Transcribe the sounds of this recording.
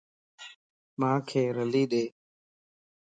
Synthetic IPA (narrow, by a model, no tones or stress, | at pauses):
mãːkʰeːɾəliːɗeː